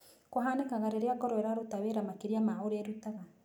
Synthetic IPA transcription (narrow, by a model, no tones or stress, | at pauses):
koɦaːnekaɣaɾeɾeaɡɔɾɔeɾaɾotaweɾamakeɾiamaoɾeɾutaɣa